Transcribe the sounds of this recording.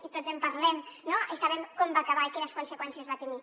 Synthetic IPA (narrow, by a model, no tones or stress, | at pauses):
it̪ozempaɾlɛmnoesaβɛmkombaːkaβaikinəskunsekwɛnsiəzβat̪eni